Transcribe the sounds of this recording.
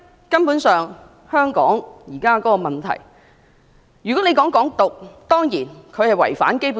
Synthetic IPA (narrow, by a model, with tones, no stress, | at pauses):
kɐ˥npuː˨˥nsœː˨ŋ | hœː˥ŋkɔ̰ː˨˥ŋjiː˨˩kaː˥kɔː˨˦˥kɔː˧mɐ˨˩nt̪ʰɐ̰˨˩j | jyː˨˩kɔ˨˥ne˨˧jkɔː˨˥ŋkɔː˨˥ŋt̪ʊ˨k̚t̪ɔː˥ŋjiː˨˩nkʰɵ˨˧ɥhɐ˨jwɐ̰˨˩jfa̰ː˨˥nke˥jpu˨˧˦